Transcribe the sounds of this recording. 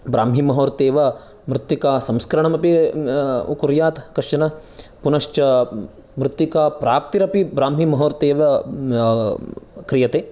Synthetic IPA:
bɾaːmɦimɐɦoːɾt̪eːʋɐ | mɾɪt̪ːjikaːsɐmskɐɾɐɳɐmɐpi | ṵkuɾjaːt̪kɐʃjɐnɐpunɐʃt͡ʃɐ | mɾut̪ːjikaːpɾaːp̚t̪iɾɐpibɾaːmɦimɐɦoːɾt̪eːʋɐ | kɾijɐt̪eː

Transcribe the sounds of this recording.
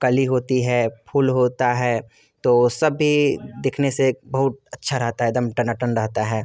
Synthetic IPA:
kɐliɦoːt̪iɦɛpʰuːlɦoːt̪aɦɛː | t̪oːsɐbːid̪eːkʰnesebɐɦʊt̪̚ɐtːʃʰaɾɐɦt̪aɦɛeːd̪əmʈənəʈənɾɐɦt̪aɦɛː

